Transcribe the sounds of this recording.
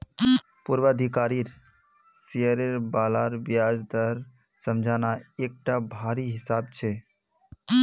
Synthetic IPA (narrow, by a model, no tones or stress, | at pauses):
puɾʋəəd̪ʱikaːɾiɾ | seəɾeɾbaːlaɾbjad͡ʒd̪əɾ | səmd͡ʒʱaːnaek̚ʈabʱaːɾiɦɪsaːb̚t͡ʃʰe